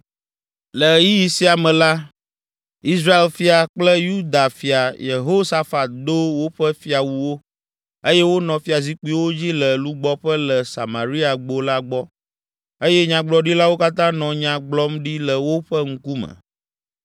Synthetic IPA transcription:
lə˨ji˦ji˨si˦a˨mɛ̃˨la˦ | i˦sɾa˦e˨lfi˦a˨k͡plə˦ju˦d̪a˨fi˨a˨je˨ɦo˦sa˦fa˨t̪̚d̪o˦wo˦ɸɛ˦fi˦a˨wu˨wo˦ | e˦jɛ˦wo˦nɔ̃˨fi˦a˨zi˦k͡pi˦wo˦d͡ʑi˦lə˨lu˦ɡ͡bɔ˦ɸə˦lə˨sa̰˨ma˨ɾi˦a˨ɡ͡bo˨la˦ɡ͡bɔ˦ | e˦jɛ˦ɲã˨ɡ͡blɔ˦ɖi˦la˦wo˦ka˦t̪ã˦nɔ̃˨ɲã˨ɡ͡blɔ˦mɖi˦lə˨wo˦ɸɛ˦ŋ̩˦ku˦mə̰̃˨

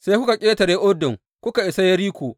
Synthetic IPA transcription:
seː˦kʊ˦ka˨kʲʼeː˦tɐ˨ɾeː˦ʔʊ˦dɪ˨ŋ | kʷʊ˦ka˨ʔɪ˨sa˦jɐ˦ɾiː˦kʷoː˨

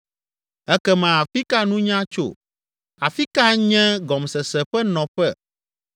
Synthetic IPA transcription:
ɛ˦kɛ˦mɛ̃˨a˨fi˦ka˦nũ˦ɲã˦t͡ʃo̰˦˨ | a˨fi˦ka˦ɲɛ̃˦ɡɔ˨msɛ˨sɛ˨ɸɛ˦nɔ̃˨ɸɛ˦

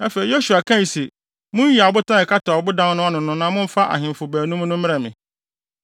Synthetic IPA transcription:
a˦fe˨ɾi˨jo˦su˨a˨kʰã˦i˨se˨ | mʊ̃˦n˦i˨a˨bʊ˦tã˦ɛ˨kʰa˦tʰa˨wbʊ˦dã˦nnʊ̃˦a˦nʊ̃˨nʊ̃˦nã˦mʊ̃˦m̩˦fa˦ʔa̰˨ɦɪ̃˨m˨fʊ˨bæː˨nũ˦m̃˦nʊ̃˦m˦ɪ̃˦ɛ˨mɪ̃˨

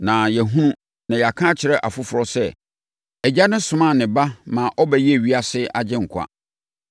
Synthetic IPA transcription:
nã˨jɛ˨ɦũ˦nũ˦ | nã˨ja˨kʰã˦t͡ɕʰɪ˨ɾɛ˦ʔa˨fʊ˦fʊ˨ɾɔ˦sɛ˦˨ | ɛ˨d͡ʑa˦nʊ̃˦sʊ̃˨˦mã˦˨nɪ̃˨ba˦mã˨ʔɔ˦bɛ˦jɛ˦˨ɥi˦a˦sɪ˦ʔa˦d͡ʑɪ̃˦ŋ̩˨kʷʰa̰˦

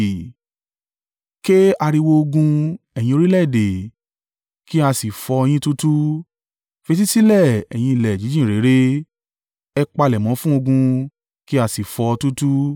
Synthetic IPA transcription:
ke˦a˧ɾi˧wo˧o˧ɡũ˧ | ɛ˨jĩ˧o˧ɾi˦lɛ˦˨de˨ | ki˦a˧si˨fɔ˧j̃ĩ˦tu˦tu˦ | fe˧t̬i˦si˦lɛ˦˨ɛ˨j̃ĩ˧i˨lɛ˨d͡ʒi˨˦d͡ʒĩ˦˨ɾe˨˦ɾe˦ | ɛ˧k͡pa˧lɛ˨mɔ̃˨˦fũ˦o˧ɡũ˧ | ki˦a˧si˨fɔ˧tu˦tu˦

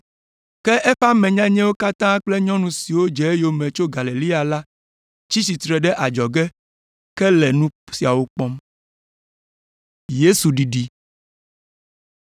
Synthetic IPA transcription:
kɛ˦ʔɛ˦ɸa˦mɛ̃˨ɲã˦ɲɛ̃˦wo˦ka˦t̪ã˦k͡plɛ˦ɲɔ̃˦nũ˦si˨wo˦d͡ʒɛ˨e˦jo˨mɛ̃˨t͡ʃo˦ɡa˨li˨li˦a˨la˦ | t͡ʃi˦si˨t̪ɾɛ˨ɖɛ˦ʔa˨d͡ʒɔ˨ɡɛ˦ | kɛ˦lɛ˨nũ˦si˨a˨wo˦k͡pɔ˦m | je˦su˨ɖi˨ɖi˦

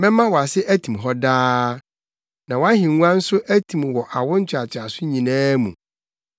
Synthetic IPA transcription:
mɛ̃˦mã˦wɔ˨a˨sɪ˦ʔæ˦tʰĩ˨mɦɔ˦daː˦ | nã˨wã˦ɦɪ̃˨˦ũ˦ã˦n̩˦sʊ˦ʔæ˦tʰĩ˨mwɔ˨ʔa˨wʊ̃˦n̩˦t͡ɕʰᶣɪ˨a˨t͡ɕʰɪ˨a˨sʊ˦ɲĩ˨nãː˦mṵ̃˨

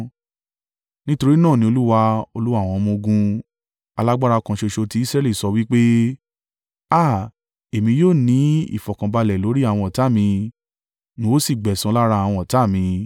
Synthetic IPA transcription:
nĩ˦to˧ɾi˦nãː˦˨nĩ˦o˧lu˦wa˧o˧lu˦wa˦˨w̃ɔ̃˧mũ˧ɡũ˧ | a˧la˦ɡ͡ba˦ɾa˧kã˧ʃe˧ʃo˧ti˧˦i˦sɾɛ˦˨li˦˨sɔ˧wi˦k͡pe˦ | a˦˨ | e˨mĩ˧joː˦˨nĩ˨˦ḭ˦˨fɔ˨kã˨ba˧lɛ˨lo˨˦ɾi˦a˦˨w̃ɔ̃˧ɔ˨ta˨˦˨mĩ˧ | nĩ˦o˦si˦˨ɡ͡bɛ˨sũ˧˦la˦ɾa˧a˨w̃ɔ̃˧ɔ˨ta˦˨mĩ˧

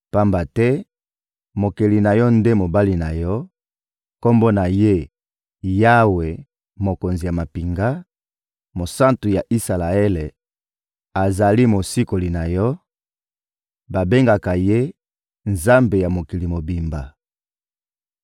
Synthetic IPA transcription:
pa˦mba˨tɛ˦ | mo˨ke˨li˨na˨jɔ˦nde˦mo˨ba˦li˨na˨jɔ˦ | ko˦mbo˦na˨je˦ | ja˦we˨ | mo˨ko˨nzi˨ja˨ma˨pi˨ŋɡa˦ | mo˨sa˦ntu˨ja˨ʔi˦sa˨la˨e˦le˨ | a˨za˨li˦mo˨si˦ko˨li˨na˨jɔ˦ | ba˨be˦ŋɡa˨ka˨je˦ | nza˦mbe˨ja˨mo˨ki˨li˨mo˨bi˨mba˨

